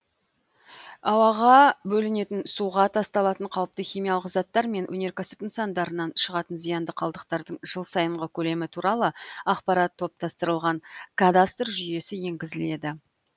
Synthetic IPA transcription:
ɑwɑʁɑbɵlɪne̞t̪ɪnsuʁɑt̪ʰɑst̪ɑlˠɑt̪əɴqʰɑwəp̚t̪əχʲijmijɑlˠəqzɑt̪ːɑɾme̞nwʔɵ̰ne̞ɾkʲʰæsɪ̥pənsɑnd̪ɑɾənɑnʃəʁɑt̪ənzijɑnd̪əqʰɑlˠd̪əqt̪ɑɾd̪əɴʒ̥əlˠsɑjəɴʁəkʲʰɵle̞mɪt̪ʰuɾɑlˠəɑqpɑɾɑt̪ʰːo̞p̚t̪ɑst̪əɾəlˠʁɑɴkʰad̪ast̪rʒʏje̞sɪje̞ŋɡʲɪzɪle̞d̪ɪ

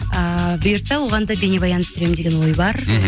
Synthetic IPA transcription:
əbʏjʊɾt̪ɑwoʁɑnd̪ɑbe̞nebɑjɑnəp̚t̪ʰʏɾe̞mɪd̪eɡʲe̞nwo̞jbɑɾ

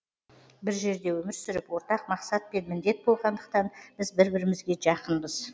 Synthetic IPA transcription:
bɪɾʒe̞ɾd̪e̞wɵmɪɾsʏɾɪpwo̞ɾt̪ɑq̚mɑqsɑt̪̚pe̞nmɪnd̪e̞t̪̚bo̞lˠʁɑnd̪əq̚t̪ɑnb̥ɪzbɪɾbɪɾɪmɪzɡʲe̞ʒɑqənbəz

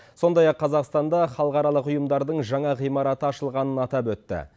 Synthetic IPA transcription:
so̞nd̪ɑjɑqʰːɑzɑqst̪ɑnd̪ɑχɑlˠəqɑɾɑlˠəqʊjəmd̪ɑɾd̪əɴʒɑɴɑʁijmɑɾɑt̪əɑʃəlˠʁɑnənɑt̪ɑpwɵt̪ːɪ̰

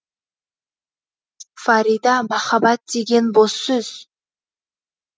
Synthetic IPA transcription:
faɾid̪ɑmɑχɑbɑt̪̚d̪e̞ɡʲe̞nbosːɵz̥

